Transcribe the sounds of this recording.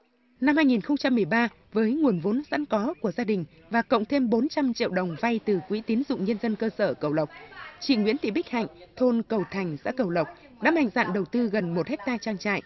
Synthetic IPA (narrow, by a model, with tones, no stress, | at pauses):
na˧mhaː˧jŋi˨˩nxə˧wŋ͡mt͡ɕa˧mːɨ˨˩əjɓaː˧ | vəː˨˦jŋu˨˩ənvo˨˦nza̰˧˥nkɔ˨˦ku˧˩əzaː˧ɗï˨˩ŋ̟ | vaː˨˩kə̰˧˨wŋ͡mt̪ʰe˧mɓo˨˦nt͡ɕa˧mt͡ɕḭ˧əwɗə˨˩wŋ͡mva˧jt̪ɨ˨˩kwi˨˧˦t̪i˨˦nzʊ̰˧˨ŋ͡mɲə˧nzə˧nkəː˧səː˧˩kə˧˩wlə˨˩wk͡p̚t͡ɕḭ˧˨ŋwḭ˧˥ənt̪ḭ˧˨˩ɓi̟˦˥ha̰˧˨jŋ̟t̪ʰo˧nkə˨˩wt̪ʰa˨˩jŋ̟za̰ː˧˥kə˨˧˩wlə˨˩wk͡p̚ | ɗa̰ː˧˥mha˧˩jŋ̟za̰ː˧˨nɗə˨˩wt̪ɨ˧ɣə˨˩nmo˨˩t̚hɛ˦˥k̚t̪aː˧t͡ɕaː˧ŋt͡ɕa̰ː˧˨jʔ